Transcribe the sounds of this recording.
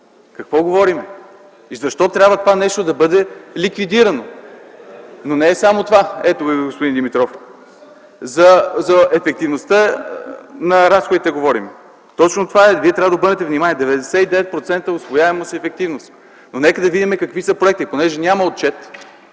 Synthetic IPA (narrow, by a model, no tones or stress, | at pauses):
kɐkvɔɡovɔɾimɛ | izɐʃt̪ɔt̪ɾʲabvət̪ovanɛʃt̪od̪ɐbɤd̪ɛlikvid̪iɾɐno | nonɛːsamot̪ovaɛt̪oɡospod̪ind̪imit̪ɾɔf | zɐzɐɛfɛk̚t̪ivnost̪ə | nɐɾasxod̪it̪ɛɡovɔɾimɛ | t̪ɔt͡ʃnot̪ovaɛviɛt̪ɾʲabvəd̪obɤɾnɛt̪ɛvnimaniɛd̪ɛvɛd̪ɛsɛid̪ɛvɛt̪̚pɾot̪sɛnt̪əosvojaɛməsiɛfɛk̚t̪ivnost̪ | nonɛkəd̪ɐvid̪imɛkɐkvisəpɾoɛk̚t̪iponɛʒɛnʲaməot̪̚t͡ʃɛt̪